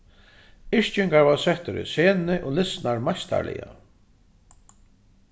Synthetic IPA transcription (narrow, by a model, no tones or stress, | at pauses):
ɪʂt͡ʃʏŋkaɾvaɾsɛht̪ʏɾɪ̰sɛːnɪʔɔlɪsnaɾmajst̪a̰ɾlɪ̰ja̰